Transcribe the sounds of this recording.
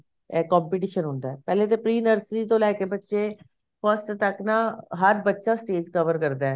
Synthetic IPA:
ɛːkɔːmpɪʈ̬iːʃənɦʊːnd̪aɛːpɛːleːt̪epɾiːnəɾsɾiːt̪õːlɛːkebətːʃeː | pʰəsʈt̪əknãːɦəɾbətːʃaːsʈeːd͡ʒkəʋəɾkəɾd̪aɛː

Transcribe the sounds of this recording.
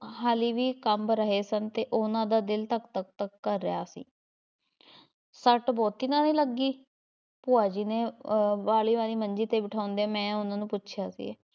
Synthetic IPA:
haːliːʋiːkəmɾəɦeːsənt̪eːʔʊnãːd̪aːd̪ɪlt̪əkt̪ək̚t̪əkːəɾːɪja̰ːsḭː | səʈbɔːt̪iːnãːniːləɡːiː | pʊːaːd͡ʒiːneːbaːliːʋaːliːməɲd͡ʒiːt̪eːbɪʈʰaːʊ̃nd̪emɛ̃ːʊnãːnũːpʊtːʃʰjaːsḭːeː

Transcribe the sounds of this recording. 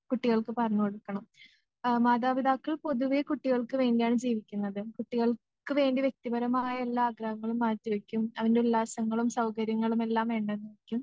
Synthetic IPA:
kuʈːiɣɐɭkɨpɐrɐɲːukoɽukːɐɳɐm | maːðaːʋiðaːkːɐɭpo̞ðuʋekuʈːiɣɐɭkɨʋe̞ːndijaːɳɨd͡ʑiːʋikʲːunːɐðɨkuʈːiɣɐɭ | kɨʋe̞ːndiʋjek̚t̪ibɐɾɐmaːjɐe̞lːaːɡɾɐɦɐŋːɐɭumːaːtːiʋekʲːumɐʋɐnde̞ulːaːsɐŋːɐɭumsɐwkɐɾjɐŋːɐɭume̞lːaːmʋe̞ːɳɖɐenːuikʲːum

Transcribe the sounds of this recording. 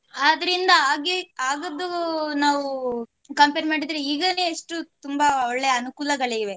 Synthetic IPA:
ad̪ɐɾind̪ɐaːɡiaːɡɐd̪ːunaːʋu | kɐmpeːɾmaːɽid̪ɾeiːɡɐneːʂʈut̪umbɐɔɭːe̞jɐnukuːlɐɡɐɭiʋe̞

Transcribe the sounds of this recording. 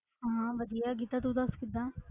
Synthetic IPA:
ɦɦãːbəd͡ʒ̪ijaːɡit̪ːaːt̪uːd̪əskɪd̪ãː

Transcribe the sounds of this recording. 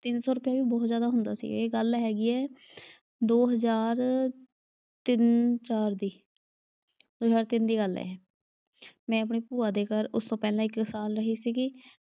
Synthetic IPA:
t̪ɪnsɔːɾʊpjaːʋiːbɔːt̪zjaːd̪aːɦʊ̃nd̪a̰ːsḭːɡeːɡəlɦɛːɡiːɛː | d̪oːɦəzaːɾ | t̪ɪnt͡ʃaːɾd̪iː | d̪̥oːɦəzaːɾt̪ɪnd̪iːɡəlɛ̰ːɛː | mɛ̃ːəp̬ɳiːpuːaːd̪eːkəɾʊst̪õːpɛːlãːɪksaːlɾəɦiːsiːkiː

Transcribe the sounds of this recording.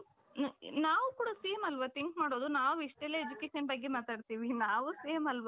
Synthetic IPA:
naːʋukuːɽasiːmɐlʋat̪iŋkmaːɽoːd̪unaːʋuiʂʈɐlːeed͡ʒukeːʃɐnbɐɡːemaːt̪aːɽt̪iːʋinaːʋusiːmɐlʋa

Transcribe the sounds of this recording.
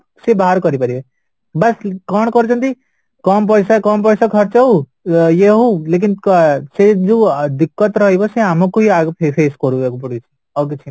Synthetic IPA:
sebaɦaɾkɔɾipaɾibe | bɐskɔɳkɔɾut͡ʃʰʌnt̪i | kɔmp̬ɔjsakɔmp̬ɔjsakʰʌɾt͡ʃew | jeɦolek̬insed͡ʒud̪ikːɔt̪ɾʌɦibʌseamɔkuɦiaɡpʰepʰeːskɔɾuekupɔɽut͡ʃʰi̥ | ʌket͡ʃʰi

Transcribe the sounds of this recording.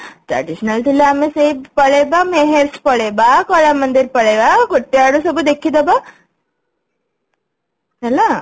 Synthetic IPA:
ʈ̪ɾɐ̰ɖiʃnɐlt̪ilːaamesebpɐɭebameɦeɾspɐɭebakɔlamɐnd̪iɾpɐɭebakoʈːiaɽusɐbud̪ekʰːid̪ɐba | ɐla

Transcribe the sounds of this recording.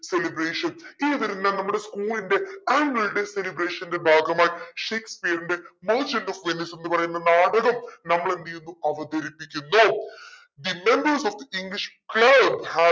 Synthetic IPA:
se̞libreːʂɐniːʋɐɾunːaːnɐmːuɽe̞skuːlinde̞aːŋɡɐɭɨɽe̞se̞libɾeːʂɐninde̞bʱaːɡɐmaːjiʂejkspijɐɾindemɐrt͡ɕɐnɖofʋinise̞nːɨpɐrɐjunːɐnaːɽɐɣɐmnɐmːɐɭeniːnːuɐʋɐd̪ɐɾipːikʲːunːo | d̪ime̞mbɐrsofd̪iiŋɡliʂkɭɐbha

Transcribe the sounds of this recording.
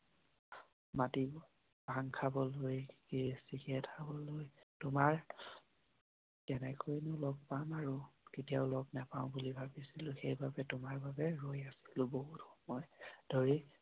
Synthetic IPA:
mati | bʱaŋkʰabɔlojkisikɛtʰabɔlojtʊmaɹ | ɛnɛkojnʊlɔɡ̚pamaɹuketijaʊlɔɡnapaʊ̃bulibʱabisilʊ̃xejbabɛtʊmaɹbabɛɹojasi̥lʊ̃boɦutxɔmɔjd̥ʱoɹi

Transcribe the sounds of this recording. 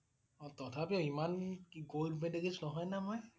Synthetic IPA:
ɔtɔtʰapiimanɡoldmɛdekid͡ʒnɔɦɔjnamɔj

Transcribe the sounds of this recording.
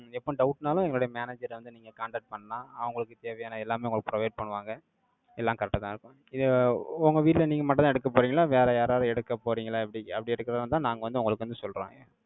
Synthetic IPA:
ɛpːoɖɐʊʈnaːlʊ̃ɛŋɡɐɭoːɽɐjɐmaːneːd͡ʒɐɾʋɐnd̪ɯniːŋɡɐkaːɳɖɐʈ̚pɐɳːɐnaːɐʋɐŋɡɐɭɯkːɯt̪eːʋɐjaːnɐɛlːaːmeːʊŋɡɐɭɯkːɯpɾɔʋɐɪɖ̚pɐɳːɯʋaːŋɡɐ | ɛlːaːkɐɾɐʈːɐt̪ãːɪɾɯkːʊ̃ | ɪðɯʊŋɡɐʋiːʈɪlɐniːŋɡɐmɐʈ̬ːɐt̪ãːɛɽɯkːɐpːoːɾiːŋɡɐlaːʋeːɾɐjaːɾaːɾɯɛɽɯkːɐpoːɾiːŋɡɐlaːɪpːɐɽiɐpːɐɽiɛɽɯkːɪɾɐðnt̪ãːnaːŋɡɐʋɐnd̪ɯʊŋɡɐɭɯkːʋɐnd̪ɯsɔlra̰ːŋɡɐ

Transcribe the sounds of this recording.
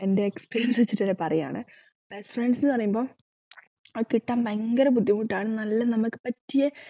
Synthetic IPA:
e̞nde̞ːkspeːɾijɐnsʋet͡ɕːitːɐɾepɐrɐja̰ːɳɨ̰ | b̥esfjɐɳnsinːɨpɐrɐjumbo̞ː | kiʈːaːmeŋɡɐɾɐp̬ud̪jɐmuʈːaːɳɨnɐlːɐnɐmukːɨ̥pɐtːije

